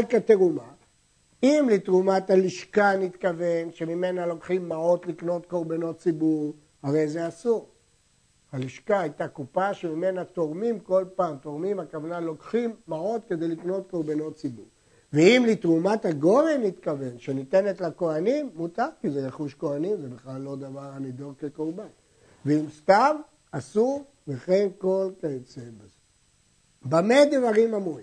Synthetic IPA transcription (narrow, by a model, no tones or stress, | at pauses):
kat̪eʁuma | imlitʁumathaliʃkanitkave̞nʃe̞mime̞nalo̞kχimːao̞tlikno̞tko̞ʁbano̞tt͡sibuʁ | haʁe̞jzeasuʁ | haliʃkaajtakupaʃemimenato̞ʁmimko̞lpaːmt̪o̞ʁmimhakavanalo̞kχimːao̞t̪ke̞d̪ejlikno̞t̪̚ko̞ʁbano̞tt͡sibuʁ | veimlit̪ʁumathaɡo̞ʁenit̪kave̞nʃenit̪enetlako̞animːut̪aʁkizejeχuʃko̞animzebiχlalːo̞d̪avaʁanid̪o̞ʁkekoʁban | veimst̪am | asu | veχenko̞lket͡sebez | bamed̪evaʁimamuim